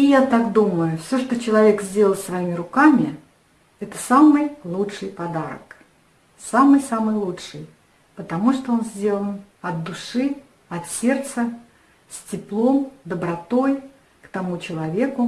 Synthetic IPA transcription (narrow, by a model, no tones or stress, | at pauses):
ɪjat̪akd̪uməjʊfsʲoʂt̪ot͡ɕɪlˠɐvʲe̞kzʲdʲelˠəlˠsvɐimʲɪɾʊkamʲɪ | ɛt̪ə̥samɨjlˠutʂɨjpɐd̪aɾə̰k | samɨjsamɨjlˠuʂɨj | pət̪ɐmuʂt̪oo̞nzʲdʲe̞lˠənɐd̪̚d̪ʊʂɨ | ɐt̪sʲe̞rt̪sə | sʲtʲɪplˠo̞md̪əbɾɐt̪o̞j | kt̪ɐmut͡ɕɪlˠɐvʲekʊ